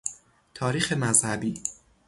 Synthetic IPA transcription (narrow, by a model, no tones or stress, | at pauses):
t̪ʰɒːɾiːxe̞mæzhæbiː